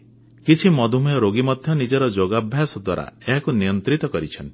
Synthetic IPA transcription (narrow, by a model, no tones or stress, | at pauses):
kit͡ʃʰimɔd̪ʱumjɔɾoɡimɔd̪ʱjɔnid͡ʒɔɾɔd͡ʒoɡabʱjasɔd̪wa̰ɾa̰eɦakunijɔnt̪ɾit̪ɔkɔɾit͡ʃʰɔn